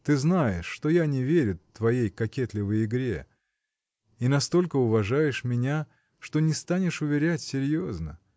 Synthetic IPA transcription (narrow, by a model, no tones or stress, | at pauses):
t̪ɨznajɪʂːt̪o̞janʲɪvʲeɾʲʊt̪vɐjejkɐkʲet̪lʲɪvəjɪɡɾʲe | inɐst̪o̞lʲkəʊvɐʐajɪʂmʲɪnʲa | ʂt̪o̞nʲɪst̪anʲɪʂʊvʲɪɾʲætʲsʲɪɾʲjo̞znə